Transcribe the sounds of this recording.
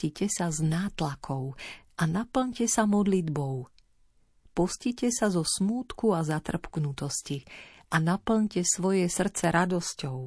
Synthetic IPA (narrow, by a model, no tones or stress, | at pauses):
cicɛsaznaːt̪lakʰɔʊʔanapl̩ɲcɛsamɔd̪lid̪bɔʊ | pɔscicɛsazɔsmuːt̪kuazat̪r̩pknut̪ɔsciʔanapl̩ɲcɛsʋɔjɛsr̩t͡sɛɾʔad̪ɔscɔʊ